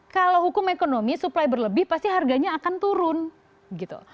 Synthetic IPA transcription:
kalawɦukʊmekonomisuplajbərləbɪhpast̪iɦarɡaɲaːkant̪uɾʊn | ɡit̪ṵ

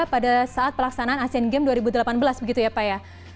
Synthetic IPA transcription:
padasaat̪̚pəlaksanaanasɛnɡɛmduaɾibudəlapanbəlasbəɡit̪ujapaja

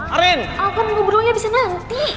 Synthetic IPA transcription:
ɾɪnʔakanɡubɾoɲabisanant̪i

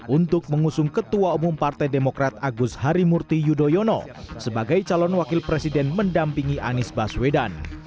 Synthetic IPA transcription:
ʔunt̪ʊk̚məŋusʊŋkət̪uaumumpart̪ajdemokɾat̪̚aɡushaɾimurt̪ijudojɔnɔ̰ | səbaɡajt͡ʃalɔnwakɪlpɾesidɛnməndampiŋiʔa̰nɪsbaswedan

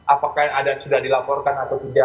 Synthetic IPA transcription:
ʔapakahadasudahdilapɔrkanat̪awkud͡ʒa

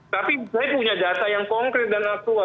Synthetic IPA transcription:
t̪aːpisajpuːɲad̪aːt̪ajaŋkɔŋkɾɛt̪̚d̪anak̚t̪ua

